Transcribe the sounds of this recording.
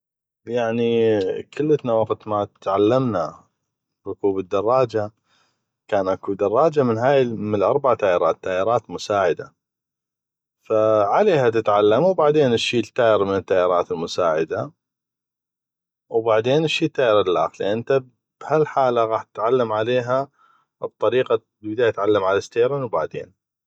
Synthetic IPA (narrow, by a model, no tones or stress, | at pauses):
jaʕnikʰɪlːət̪nawɑqt̪mat̪ʕalːamna | ɾʊkuːbəd̪ːɑrˤːɑːd͡ʒa | kaːnʔakud̪ɑrˤːɑːd͡ʒamɪnɦaːjmlʔɑɾˤbaʕt̪aːjɪɾˤɑːt̪ːaːjɪɾˤɑːt̪mʊsaːʕɪd̪a | faʕaleːhat̪ɪt̪ʕalːamwbaʕd̪eːnɪʃːiːt̪ːaːjɪɾmɪnət̪ːaːjɪɾˤɑːt̪ɪlmʊsaːʕɪd̪a | wbaʕd̪eːnɪʃːiːt̪ːaːʔɪɾallʔa̰ːxliʔɪnt̪a | b̥halħaːlaɣaːħt̪ɪt̪ʕalːamʕaleːɦa | b̚t̪ˤːɑɾiːqa | lbɪd̪aːjat̪ʕalːamʕalast̪eːɾɪnwbaʕd̪ḛːn